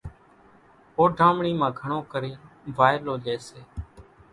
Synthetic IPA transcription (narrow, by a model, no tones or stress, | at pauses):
oːɖʱaːmɳiːmãːɡʱəɳõːkəɾeː | ʋaːɪloːʄeːseː